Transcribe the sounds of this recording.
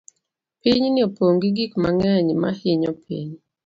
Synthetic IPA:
piɲnɪopoŋɡiɡikmaŋɛɲmahɪɲɔpʰḭɲ

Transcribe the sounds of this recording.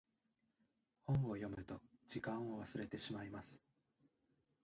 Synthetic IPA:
hõ̞ɰ̃o̞jo̞mɯ̟t̪o̞d͡ʑikãɰ̃o̞βasɨɾe̞t̪e̞ɕimaimasɨ̥

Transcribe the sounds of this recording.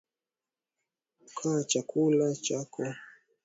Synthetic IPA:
kʰat͡ʃakʰulat͡ʃakʰɔ

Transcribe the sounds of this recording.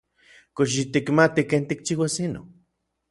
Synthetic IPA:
koʃ̬it̪ikmat̪ikeːnt̪ik̚t͡ʃiwasino̰

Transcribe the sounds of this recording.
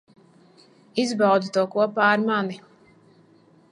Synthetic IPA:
izbawd̪zut̪uɔkuɔpaːɾmani

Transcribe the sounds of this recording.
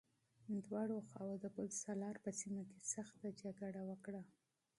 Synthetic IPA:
d̪wɑɽoxɑwod̪əbəlsalɑɾpəsimokesaxt̪ad͡ʒaɡaɽawəkɽa

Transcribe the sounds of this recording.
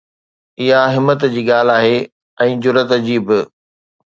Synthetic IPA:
ɪɦaɦɪmːət̪d͡ʑiːɠaːl̤aːɦeː | ɛ̃ːd͡ʑʊɾət̪d͡ʑiːbɪ

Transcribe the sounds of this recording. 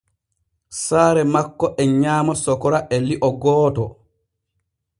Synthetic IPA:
saːɾɛmakːɔʔɛɲaːmasɔkɔɾaʔɛliʔɔɡɔːtɔ̰

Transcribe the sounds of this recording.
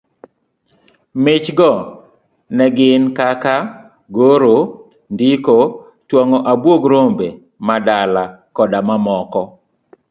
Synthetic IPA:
mɪt͡ʃɡɔ | nɛɡɪnkaka | ɡoɾo | ndɪko | twɔŋɔʔabwoɡɾombe | madalakɔdamamɔkɔ

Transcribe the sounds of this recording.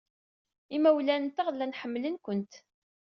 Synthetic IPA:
imæwlænt̪aʁlːænħəmːlənkʷənt̪

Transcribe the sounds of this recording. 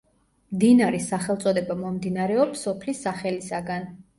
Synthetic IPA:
md̪inaɾɛsaχɛlˠt̪sʼɔd̪ɛbamɔmd̪inaɾɛɔpsɔpʰlisːaχɛlisaɡan

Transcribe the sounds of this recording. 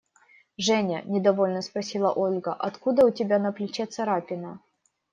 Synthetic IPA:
ʐɛnʲə̰nʲɪd̪ɐvolʲnəspɾɐsʲilˠəʔolʲɡəʔɐt̪kud̪əʊtʲɪbʲanəplʲɪt͡ɕet̪sɐɾapʲɪnə

